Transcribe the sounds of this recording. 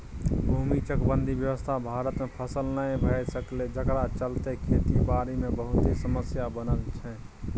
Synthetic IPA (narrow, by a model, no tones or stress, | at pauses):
bʱumit͡ʃəkbənd̪ʱibjəʋəst̪ʰabʱaɾət̪mepʰəsəlnəjbʱəjsəkled͡ʒəkɾat͡ʃəlt̪ekʰet̪ibaɾemebəɦut̪esəməsjabənəlt͡ʃʰɛ